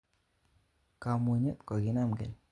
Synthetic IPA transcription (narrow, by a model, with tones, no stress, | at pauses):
ka˨mo˨ɲe˦t̪kɔ˨ɡi˦na˦˨mɡɛ̰˨l